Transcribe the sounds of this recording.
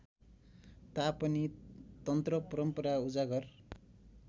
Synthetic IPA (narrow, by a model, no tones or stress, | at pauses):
t̪apʌnit̪ʌnt̪rʌpʌɾʌmpʌɾaud͡zaɡʌr